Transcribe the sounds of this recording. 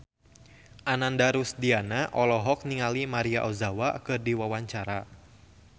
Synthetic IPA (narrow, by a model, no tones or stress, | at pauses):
ʔanandaɾusdianaʔɔlɔɦɔk̚niŋalimaɾiaʔɔzawakɨrdiwawaɲt͡ʃaɾa